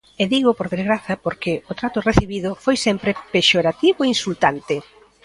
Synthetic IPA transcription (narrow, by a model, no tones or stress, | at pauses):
eðiɣ̞ʊpoɾðezɣɾaθɐpoɾkɪʊt̪ɾat̪ʊreθiβiðʊfojsɛmpɾepeʃoɾat̪iβʊeinsult̪ant̪ɪ